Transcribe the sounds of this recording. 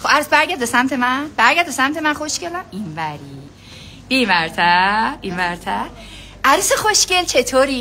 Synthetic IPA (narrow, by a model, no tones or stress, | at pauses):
xoæɾusbæɾɟæɾd̪besæmt̪ʰemænb̥æɾɡæɾd̪̚besæmt̪ʰemænxoʃcelæminvæɾi | b̥iːmvæɾt̪ʰæinvæɾt̪ʰæ | ʔæɾusexoʃcelt͡ʃʰet̪ʰoːɾi